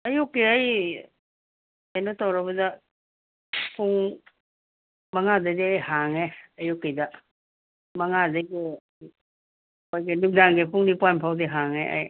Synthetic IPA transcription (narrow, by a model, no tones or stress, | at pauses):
ɐjukːeaj | ajnɐtawɾabɐdɐ | pʰuŋ | mɐŋadadeajhaŋeɐjukːedɐ | mɐŋadaɡi | ojɡenuk̚daŋɡepuŋnipajnpʰawdeɦaŋeʔa̰j